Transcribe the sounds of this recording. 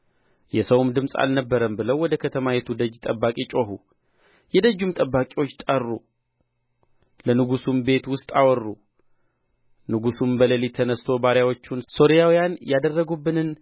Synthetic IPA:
jɛsəwmd̪ɨmsʼa̰lnəbːəɾəmbɨləwwɔd̪əkʰət̪ʰəmajɛt̪ʰud̪əd͡ʒt̪ʼəbːakʼit͡ʃʼo̞ɦu | jɛd̪əd͡ʒːumt̪ʼəbːakʼiwo̞t͡ʃːt̪ʼərːu | lənɨɡusumbe̞t̪wʊst̪ʼawɔrːu | nɨɡusumbələlit̪ʰːənəst̪ʰo̞baɾjawot͡ʃːunso̞ɾijawijanjad̪ərːəɡubːɨnɨn

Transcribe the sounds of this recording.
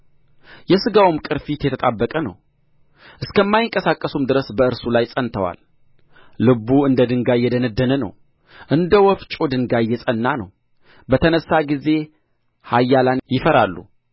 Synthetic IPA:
jɛsɨɡawumkʼɨɾfit̪jɛt̪ʰət̪ʼabːəkʼənə̰w | ʔɨskʰəmːajɪŋkʼəsakʼːəsumd̪ɨɾəsbəɨɾsulajsʼənt̪ʰəwa̰l | lɨbuɨnd̪əd̪ɨŋɡajːɛd̪ənəd̪ːənənə̰w | ʔɨnd̪əwɔft͡ʃʼod̪ɨŋɡajːɛsʼənːanəw | bət̪ʰənəsːaɡize̞ | hajːalanjɪfəɾalːṵ

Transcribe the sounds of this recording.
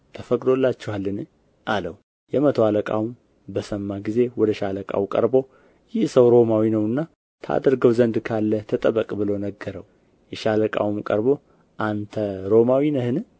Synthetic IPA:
t̪ʰəfəkʼd̪o̞lːat͡ʃːɛhalːɨnɨ | ʔalə̰w | jɛmət̪ʰwaləkʼa̰wum | bəsəmːaɡize̞wɔd̪əʃaləkʼa̰wkʼə̰ɾbo̞ | jɪhsəwɾo̞mawinəwɨnːa | t̪ʰa̰d̪əɾɡəwzənd̪kʰalːət̪ʰət̪ʼəβəkʼbɨlonəɡːəɾəw | jɛʃaləkʼa̰wumkʼəɾbo̞ | ʔant̪ʰəɾo̞mawinəhɨnɨ

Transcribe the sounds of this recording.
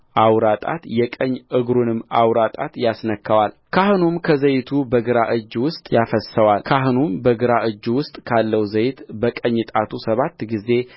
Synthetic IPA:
ʔawɾat̪ʼa̰t̪jɛkʼəɲːʔɨɡɾunɨmːawɾat̪ʼa̰t̪jasnəkʰːəwal | kʰahɨnumkʰəzəjt̪ʰubəɡɨɾaʔɨd͡ʒːwʊst̪ʼjafəsəwalkʰaɦɨnumbəɡɨɾaʔɨd͡ʒːwʊst̪ʼkʰalːəwzəjɪt̪bəkʼəɲːɨt̪ʼat̪ʰusəβat̪ːɡize̞

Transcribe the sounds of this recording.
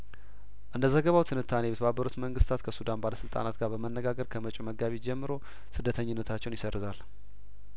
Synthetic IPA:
ʔɨnd̪əzəɡəβawt̪ʰɨnɨt̪ʰːane̞jɛt̪ʰəβabːəɾut̪məŋɡɨst̪ʰat̪kʰəsud̪anbaləsɨlt̪ʼa̰nat̪ɡaɾbəmənːəɡaɡəɾkʰəmət͡ʃʼuməɡaβid͡ʒɛmːɨɾo̞ | sɨd̪ːət̪ʰəɲːɪnːət̪ʰat͡ʃːɛwnjɪsərːɨzal

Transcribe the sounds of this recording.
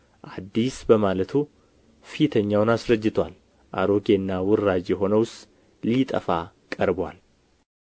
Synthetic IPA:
ʔad̪ːisbəmalət̪ʰu | fit̪ʰəɲːawʊnasɾəd͡ʒːɪt̪ʰwal | ʔa̰ɾo̞ɡenːawʊrːad͡ʒjɛɦo̞nəwʊst̪ | lit̪ʼə̰fa | kʼəɾbwal

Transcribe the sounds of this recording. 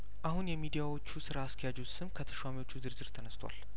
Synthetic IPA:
ʔahunjɛmid̪ijawo̞t͡ʃːusɨɾaːsk̪ʰəjad͡ʒusɨmkʰət̪ʰə̥ʃwamiwo̞t͡ʃːuzɨɾzɨɾt̪ʰənəst̪ʰwa̰l

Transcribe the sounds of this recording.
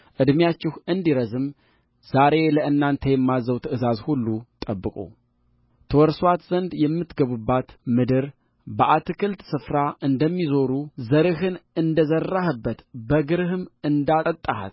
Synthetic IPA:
ʔɨd̪mjat͡ʃːɪhɨnd̪iɾəzɨm | z̥aɾe̞ləɨnːant̪ʰəjɛmːazəwt̪ʰəʔɨzazhulːut̪ʼəbːɨkʼṵ | t̪ʰəwɔɾswat̪z̥ənd̪jɛmːɨt̪ɡəβubːat̪mɨd̪ɨɾ | bəʔat̪ʰɨkʰɨlt̪sɨfɾaʔɨnd̪əmːizo̞ɾuzəɾɨhɨnɨnd̪əzərːahɨbːət̪bəɡɨɾɨhɨmɨnd̪aət̪ʼːaha̰t̪

